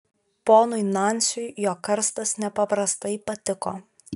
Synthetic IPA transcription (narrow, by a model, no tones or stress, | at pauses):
poːnʊɪnɑnʲsʲʊjjoːkɐɾst̪ɐsnʲɛpɐpɾɐst̪ɐɪpɐt̪ʲɪko̰ː